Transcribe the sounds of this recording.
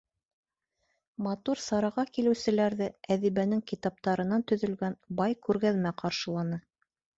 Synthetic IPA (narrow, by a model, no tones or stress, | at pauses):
mɑt̪uɾsɑɾɑʁɑkilɘ̆wsɘ̆læɾðɘæðiβænɘŋkit̪ɑp̚t̪ɑɾɤ̆nɑnt̪ɵ̆ðɵ̆lɡænbɑjkʉɾɡæðmæqɑɾʃɤ̆lˠɑnɤ